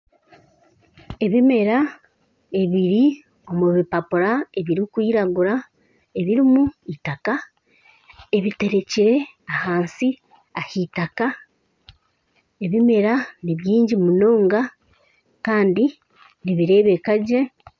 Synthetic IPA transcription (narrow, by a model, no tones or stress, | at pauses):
e̞βime̞ɾa | e̞βiɾi | o̞muβipapuɾae̞βiɾikwiːɾaɡuɾa | e̞βiɾimuitaka | e̞βite̞ɾe̞ciɾe̞ | ahaːnsi | ahitaka | e̞βime̞ɾaniβjiːɲɟimuno̞ːŋɡa | kaːndi | niβiɾe̞ːβe̞kaɟe̞